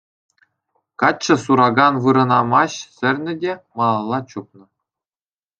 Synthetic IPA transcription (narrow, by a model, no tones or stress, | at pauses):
kɑt͡ɕːɤ̆suɾɑɡɑnʋɯɾɤ̆nɑmɑɕsʲɘ̆rʲnʲɘ̆dʲemɑlˠɑlˠːɑt͡ɕup̚nɤ̆